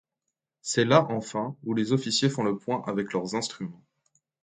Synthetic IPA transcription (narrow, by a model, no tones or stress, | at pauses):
sɛlaʔɑ̃fɛ̃ulezɔfisjefɔ̃ləpwɛ̃ʔavɛklœʁzɛ̃st̪χymɑ̃